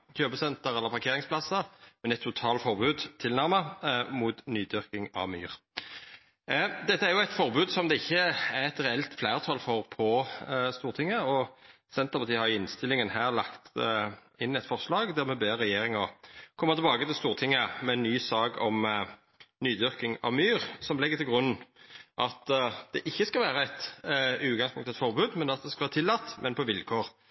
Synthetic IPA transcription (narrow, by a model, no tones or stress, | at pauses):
çøːbəsɛnt̪əʁɛlːəʁpʰɑʁkʰeːʁɪŋspʰlɑsəʁmɛnɛt̪ʰːʊt̪ʰɑːlfɔʁbʉːd̪t̪ʰɪlnæʁməmuːt̪nyːd̪ʏʁkɪŋɑ̰ʋmy̰ːʁ | d̪ɛt̪ːəæʁjʊæɪt̪fɔʁbʉːd̪sɔmd̪ɛɪçːəæʁɛt̪ʁɛɛlt̪flæːʁt̪ʰɑlfɔʁpʰɔst̪uːʁt̪ɪŋːəɔ | sɛnt̪əʁpɑt̪iːhɑɾjʊɪnst̪ɪlɪŋənhæːʁlɑkt̪ | ɪnɛt̪fɔʁslɑːɡd̪æʁmɛbeːʁːɛjeːɾɪŋɔkʰɔmːɑt̪ʰɛbɑːɡət̪ɪlst̪uːʁt̪ʰɪŋːəmɛnːyːsɑːɡɔm | nyːd̪ʏʁkɪŋɑ̰ʋmyːʁsɔmlɛɡːət̪ɪlɡɾʁʉnːʔɑt̪d̪̥ɛʔɪçːəskɑlʋæːɾɑæɪt̪ʉːɡɑŋspʰʊŋt̪ɛt̪fɔɾʁbʉːd̪mɛnɑt̪̚d̪ɛskɑʋæːɾət̪ʰɪlːɑt̪ːmʔɛnpɔʋɪlkʰoːɾ